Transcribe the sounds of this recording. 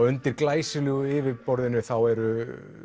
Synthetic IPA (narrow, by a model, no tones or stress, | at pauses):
ʏnt̪ɪɾ̥klaːjsɪlʏɣʏɪvɪpɔɾðɪnʏθawɛɾʏ